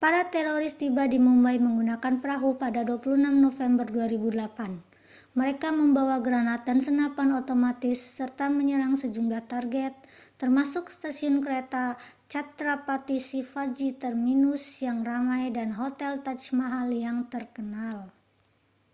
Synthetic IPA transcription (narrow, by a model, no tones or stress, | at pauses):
paɾat̪ɛɾoɾɪst̪ibadimumbajməŋɡunakanpɾaɦupadaduapulunamnofɛmbərduaɾibudəlapan | məɾekaməmbawaɡəɾanat̪̚dansənapanot̪omat̪ɪsːərt̪aməɲəɾaŋsəd͡ʒumlaht̪arɡɛt̪̚ː | ərmasʊkst̪asiʊnkəɾet̪a | t͡ʃat̪ɾapat̪isifad͡ʒit̪ərminusjaŋramajdanɦot̪ɛlt̪at͡ʃmaɦaljaŋt̪ərkənal